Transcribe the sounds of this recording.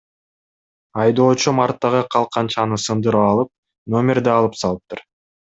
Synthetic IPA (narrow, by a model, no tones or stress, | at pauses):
ɑjd̪o̞ːt͡ʃumɑɾt̪ːɑʁɯqʰɑlˠqʰɑnt͡ʃɑnɯsɯnd̪ɯɾɑɑlˠɯp̚ | no̞mʲeɾd̪ɑɑːlˠɯpsɑlˠɯp̚t̪ʰɯɾ